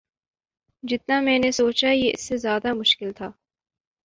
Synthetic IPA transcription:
d͡ʒɪt̪namɛ̃ːnesoːt͡ʃajeɪ̰sːezjaːd̪amʊʃkɪlt̪ʰaː

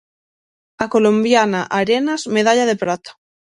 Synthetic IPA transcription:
ako̞lõmbjanaʔaɾenazmeð̞aʎaðepɾat̪ḁ

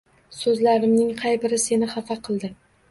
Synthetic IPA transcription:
sɵzlaɾɪmnɪŋqʰɑjbɪɾɪse̞nɪχɑfaqʰɨlˠd̪ɪ

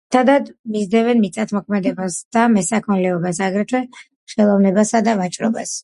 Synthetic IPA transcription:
t̪ʰad̪ad̪mizd̪ɛvɛnmit̪sʼat̪ʰmɔkʰmɛd̪ɛbasd̪̥amɛsakʰɔnlɛɔbasaɡɾɛt̪ʰwɛ | χɛlˠɔvnɛbasad̪avat͡ʃʼɾɔbas

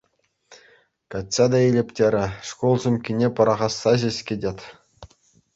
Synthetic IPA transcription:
kɑtʲsɑd̪ɑilʲɘ̆pʲtʲeɾʲɘ̆ʂkolˠʑɘ̆mʲkʲinʲepɤ̆ɾɑʁɑsːɑʑĕsʲkʲedʲetʲ

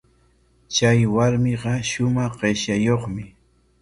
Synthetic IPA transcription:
t͡ʃajwaɾmɪɢɑʃʊmɑχɢeʃjajoχmɪ

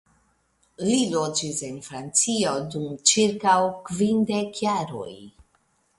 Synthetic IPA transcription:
lilo̞d͡ʒise̞nfɾant͡sio̞dumt͡ʃiɾkawkvinde̞kjaɾo̰j

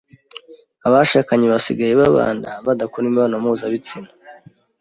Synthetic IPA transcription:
aβaʃaːkaɲeβasḭɡajeβaβa̰ːndaβadakoɾimiβanamuːzaβit͡sinḁ

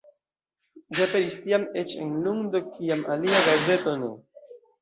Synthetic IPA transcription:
d͡ʒapeɾistiamet͡ʃḛnluŋdokʰiamʔaliaɡaɾze̞to̞ne̞̰

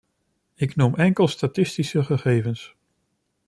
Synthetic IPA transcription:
ɪknumʔɛŋkəlˠstatɪstisəχəχejvəns

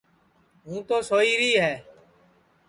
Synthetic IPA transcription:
ɦũːt̪oːsoːiːɾiːɦɛː

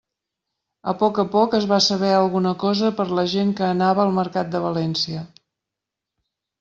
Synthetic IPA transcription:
ə̰pɔkəpɔkəzβasəβ̞ɛəlˠɣunəkɔzəpəɾləʒeŋkəːnaβəəlˠməɾkat̪̚d̪əβəlɛnsiə

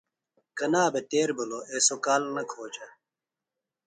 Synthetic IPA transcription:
kɐnaːbet̪eːɾbuloʔeːsokaːlnɐkʰoːt͡ɕɐ

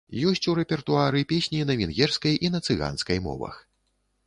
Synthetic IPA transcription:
jɔsʲt͡sʲuɾɛpʲɛrt̪uaɾɨpʲesʲnʲinɐvʲinɣʲɛrskɐjʔinɐt̪sɨɣa̰nskɐjmɔ̰vɐ̰x

